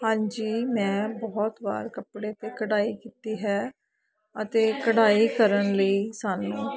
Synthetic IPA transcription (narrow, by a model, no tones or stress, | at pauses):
hãːɲd͡ʒiːmɛ̃ːbɔːt̪ba̰ːɾkəpɽeːət̪eːkəɽaːiːkiːt̪iːɦɛː | ət̪eːkəɽaːiːkəɾənləiːsaːnũː